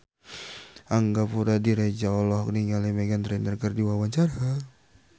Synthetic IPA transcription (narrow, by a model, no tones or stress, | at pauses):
aŋɡapuɾadiɾed͡ʒaɔlɔhkniŋalɛmɛɡant̪ɾɛnərɡərdiwawaɲt͡ʃaɾa